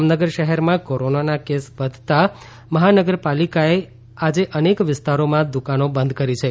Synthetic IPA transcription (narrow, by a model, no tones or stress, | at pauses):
mnəɡəɾʃəɦɛɾmãkoɾonanakesʋəd̪ʱt̪a | məɦanəɡəɾpalikae | ad͡ʒeʔənekʋɪst̪aɾomãd̪ukanobə̃nd̪ʱkəɾit͡ʃʰe